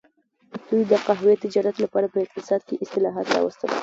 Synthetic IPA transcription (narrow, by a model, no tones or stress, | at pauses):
d̪̥ujd̪əqaɦwet̪ɪd͡ʒɑɾat̪lapɑɾapəɪq̚t̪ɪsɑd̪̚keʔɪst̪ɪlɑɦɑ̰t̪ɾɑ̰wə̰st̪ə̰l